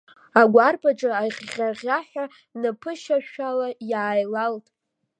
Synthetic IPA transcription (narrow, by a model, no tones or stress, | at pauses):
aɡʷarpʰʼaʈ͡ʂʼaaχːʲaʁʲaħʷᶣa | nɨpʰɨʃaʃᶣalajaːjlaltʼ